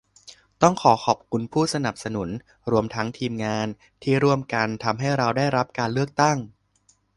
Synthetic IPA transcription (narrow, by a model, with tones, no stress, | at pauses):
t̪ɔ˥˩ŋkʰɔː˩˦kʰɔ˨˩p̚kʰu˧npʰuː˥˩sa˧na˨˩p̚sa˧nu˩˦n | ɾu˧əmt̪ʰa˦˥ŋt̪ʰiː˧mŋaː˧n | t̪ʰiː˥˩ɾu˥˩əmka˧nt̪ʰa˧mɦa˥˩jɾa˧wdaː˥˩jɾa˦˥p̚kaː˧nlɯ˥˩ək̚t̪a˥˩ŋ